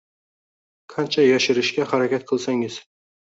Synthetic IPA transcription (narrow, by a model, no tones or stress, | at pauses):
kʰant͡ʃʰajɒʃɪɾɪʃkʲahaɾakʲat̪̚qʰɨlˠsaŋɪz̥